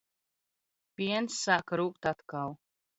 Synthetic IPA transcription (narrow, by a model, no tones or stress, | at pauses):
pʲiɛnsːaːkɾuːkt̪at̪kaw